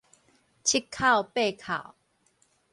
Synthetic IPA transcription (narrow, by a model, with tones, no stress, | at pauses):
t͡ɕʰi˦kʰːa˥˧˨wpe˥˧˨kʰa̰˨˩w